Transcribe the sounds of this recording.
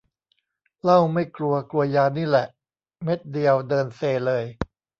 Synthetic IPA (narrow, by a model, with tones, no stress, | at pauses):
la˥˩wma˥˩jklu˧ɐklu˧ɐjaː˧niː˥˩lɛ˨˩ʔ | me˦˥t̪̚di˧əwdɤː˧nseː˧lɤː˧j